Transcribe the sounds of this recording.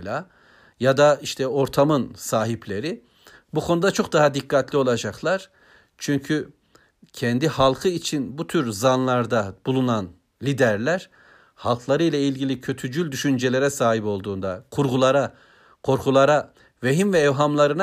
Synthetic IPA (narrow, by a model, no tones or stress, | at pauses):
la | jad̪aiʃt̪ʰɛo̞ɾt̪ʰamɯnsaːɦiplʲe̞ɾi | bukʰo̞nud̪at͡ʃʰo̞k̚d̪aɦad̪ikːat̪ʰlʲio̞lˠad͡ʒaklˠaɾ̥ | t͡ʃʰyɲcʰy | cʰɛnd̪ihalˠkʰɯit͡ʃʰinbut̪ʰyɾzanlˠaɾd̪ab̥ulˠunan | lʲid̪æɾlʲæɾ̥ | halˠkʰlˠaɾɯjlʲˠailʲɟilʲicʰø̞t̪ʰyd͡ʒylʲd̪yʃynd͡ʒelʲe̞ɾɛsaːɦipo̞lˠd̪uːnd̪akʰuɾɡulˠaɾa | kʰo̞ɾkʰulˠaɾa | veɦimvɛːvɦamlˠaɾɯn